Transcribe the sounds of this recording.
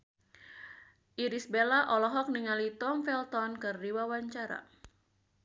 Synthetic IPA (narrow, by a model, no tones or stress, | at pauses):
ʔiɾisbelaʔɔlɔɦɔk̚niŋalit̪ɔmfɛlt̪ɔnkɨrdiwawaɲt͡ʃaɾa̰